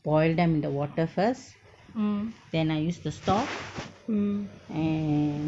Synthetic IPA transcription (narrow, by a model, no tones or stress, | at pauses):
b̥ɔɪlɖdɛ̃mɪ̃nduwɔːʈəfəs | d̪ɛ̃naɪjuːsʈusʈɔp | ɛ̃